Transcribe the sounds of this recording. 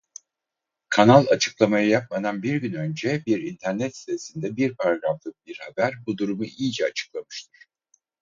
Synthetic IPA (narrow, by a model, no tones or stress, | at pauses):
kʰanalˠat͡ʃʰɯ̥klˠamajɯjap̚mad̪anbiɾɟynø̞nd͡ʒɛbiɾint̪ʰæɾnɛt̪st̪ʰesind̪ɛbiɾpʰaɾaɡɾaflˠɯk̚biɾhabæɾbud̪uɾumuijid͡ʒɛat͡ʃʰɯ̥klˠamɯʃt̪ʰɯɾ̥